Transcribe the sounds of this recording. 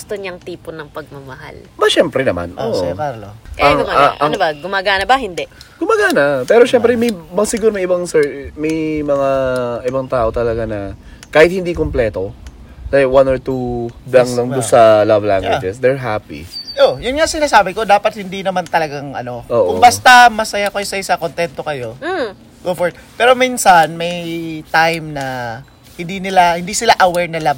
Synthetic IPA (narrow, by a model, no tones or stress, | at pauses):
ɡʊst̪oɲɐŋt̪iːpʊnɐŋpɐɡ̚mɐmɐɦa̰lbɐʃɛmpɾɛnɐma̰nʔoːʔokaɾloɐŋnmaʔɐŋnobaɡʊmaːɡanɐbɐhɪnd̪ɛɡ̥ʊmaːɡaːnɐpɛːɾo̞ʃɛmpɾɛmɐjmɐsɪɡuːɾomɐjʔɪbaŋsɛɹmɐjmɐŋaʔɪbaŋt̪aːʔo̞t̪ɐlɐɡanɐ | kaːhɪt̪̚hɪnd̪iːkomplɛːt̪o̞ | lawanoɹt̪ud̪aŋlɐŋd̪ʊsɐlavla̰ŋɡɡwɪd͡ʒɛsd̪ɛɹɦapḭʔojʊnŋasɪnaːsaːbɪko̞d̪aːpɐt̪̚hɪnd̪inɐmant̪ɐlɐɡaŋʔɐ̰no̞ʔoːʔʊŋbast̪ɐmɐsɐjakɐjosɐɪsakont̪ɛnt̪o̞kɐjo̞ | ɡ̥ofoɹ̚pɛːɾo̞miːnsanmɐjt̪ajmnɐ | hɪnd̪inɪlahɪnd̪iːsɪlaʔɐwɛɹnɐlɐb